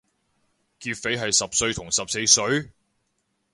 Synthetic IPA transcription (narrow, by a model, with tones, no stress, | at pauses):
kiː˧t̚fe˨˥jɦɐ˨jsɐ˨p̚sɵ˧ɥt̪ʰʊ˨˩ŋsɐ˨p̚se˧jsɵ˨˥ɥ